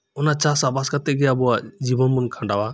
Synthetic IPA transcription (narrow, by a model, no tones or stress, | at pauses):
ʊnat͡ʃasabaskat̪ɛɡɛabuad͡ʒibɔnmunkʰãɳɖawa